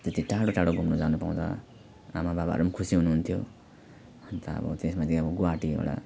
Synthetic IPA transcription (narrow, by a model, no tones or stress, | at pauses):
d͡zʌt̪iʈaɽoʈaɽoɡʱumnud͡zanupaw̃d̪a̰ | a̰mababa̰ɾumʌnkʰusiɦunuɦunt̪ʰjo | ʌnt̪aʌ̰bʌ̰t̪esmat̪iʌbʌɡuaʈio̰ɽa̰